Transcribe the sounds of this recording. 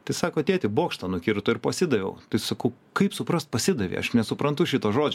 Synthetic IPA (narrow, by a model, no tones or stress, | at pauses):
t̪ɐɪsɑːkoːɐt̪ʲeːt̪ʲɪboːkʃt̪ɐnʊkʲɪɾt̪ʊɪɾpɐsʲɪd̪ɐʋʲɛ̰ʊt̪ɐɪsɐkɐʊkɐɪpsʊpɾɐst̪̚pɐsʲɪd̪ɐʋʲḭɐ̰ʃnʲɛsʊpɾɐnt̪ʊʃʲɪt̪oːʒoːd͡ʒʲ